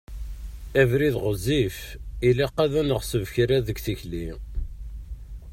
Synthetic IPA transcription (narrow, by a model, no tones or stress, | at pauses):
ævɾiðʁəzːif | iliqːæðænəʁsəvçɾæðəɡθiçli